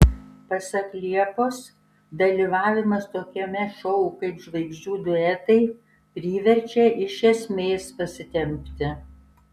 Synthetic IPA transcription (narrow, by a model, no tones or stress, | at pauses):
pɐsɐklʲiɛpoːs | d̪ɐlʲiːʋɑːʋʲɪmɐst̪oːkʲɛmʲɛʃɔʊukɐɪpʒʋɐɪɡzʲd͡ʒʲuːd̪ʊɛt̪ɐɪ | pʲɾʲiːʋʲɛɾʲt͡ʃʲɛʔɪʃʲɛsʲmʲeːspɐsʲɪt̪ʲɛmʲpʲt̪ʲɪ